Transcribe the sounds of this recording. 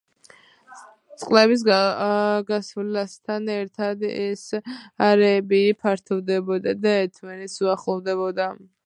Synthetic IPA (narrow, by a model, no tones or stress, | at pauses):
t̪sʼqʼlɛβis̬ | ɡasvlast̪ʰanɛɾt̪ʰad̪ɛsaɾɛːbipʰaɾt̪ʰɔvd̪ɛbɔd̪ad̪aɛt̪ʰvɛnɛt̪suaχlˠɔvd̪ɛβɔd̪a